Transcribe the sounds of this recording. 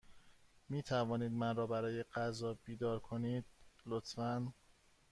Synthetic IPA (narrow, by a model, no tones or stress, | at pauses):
miːt̪ʰævɒːniːd̪mænrɒːbæɾɒːjeɢæzɒːb̥iːd̪ɒːɾkʰoniːd̪̥̚lot̪ʰfæn